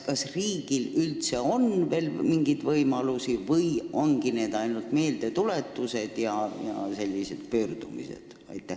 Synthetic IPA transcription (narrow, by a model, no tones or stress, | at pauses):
kɑsriːɡ̥ilylt̪se̞o̞nve̞ːlmiŋɡ̥id̪̥vɤjmɑlusivɤjo̞nɡ̥ine̞ːd̪ɑjnult̪me̞ːld̪̥e̞t̪ule̞t̪ːuse̞d̪̥jɑjɑ̰se̞lʲːise̞d̪̥̚pøːrd̪̥umḭse̞̰d̪̥ | ɑ̰jt̪ːˑe